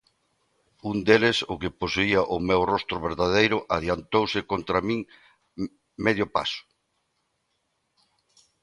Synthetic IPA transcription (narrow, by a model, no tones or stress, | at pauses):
und̪elɪsʊkeposuiaʔʊmewrɔst̪ɾʊβeɾðaðejɾʊʔaðjant̪owsɪkont̪ɾamĩŋ | meðjʊpa̰sʊ̥